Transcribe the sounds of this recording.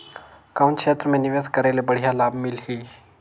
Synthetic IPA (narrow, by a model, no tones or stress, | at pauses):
kawnʈkʃeːt̪ɾəmẽniʋeːskəɾelebəɽ̤ijalaːbmɪlɦiː